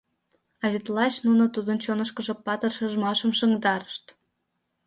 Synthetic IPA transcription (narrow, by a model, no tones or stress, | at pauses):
ɑβʲet̪lɑt͡ɕnunot̪ud̪ənt͡ɕonə̆ʃkə̆ʒɤ̆pɑt̪ə̆rʃə̆ʒmɑʃə̆mʃəŋd̪ɑɾə̥ʃt̪